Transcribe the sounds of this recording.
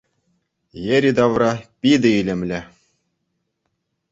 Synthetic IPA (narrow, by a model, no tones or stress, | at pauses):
jĕɾʲid̪ɑvrɑpʲid̪ʲɘ̆ilʲɘ̆mʲlʲɘ̆